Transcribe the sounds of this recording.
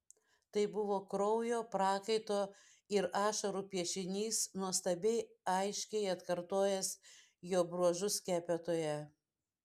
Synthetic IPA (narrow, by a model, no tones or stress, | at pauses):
t̪ɐɪbʊʋoːkɾɔʊjoːpɾɑːkɐɪt̪oː | ɪɾɑːʃɐɾuːpʲiɛʃʲɪnʲiːsnuɔst̪ɐbʲɛɪɐɪʃʲkʲɛɪɐt̪kɐɾt̪oːjɛs | joːbɾuɔʒʊskʲæːpʲɛt̪oːjɛ